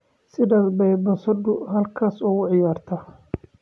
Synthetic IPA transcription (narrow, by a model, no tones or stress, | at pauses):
sɪɖɐdbɛjbɐnsɐd̪ʊɦɐlkʰaːsʊɣʊʕɪjaːrt̪ʰɐ